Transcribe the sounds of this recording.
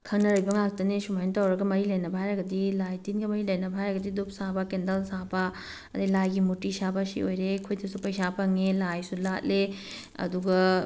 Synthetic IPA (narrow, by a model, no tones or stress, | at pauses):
kʰɐŋnɐɾɐjbɐŋak̚tɐnesumajntawɾɐɡɐmɐɾilɐjnɐbʱajɾɐɡɐdilajtinɡɐmɐɾilɐjnɐbʱajɾɐɡɐdidup̚sabɐkendɐlsabɐ | ɐdilajɡimutːisabɐsḭojɾekʰujtʰisupɐjsapɐŋelajsulat̚le | ɐ̰duɡɐ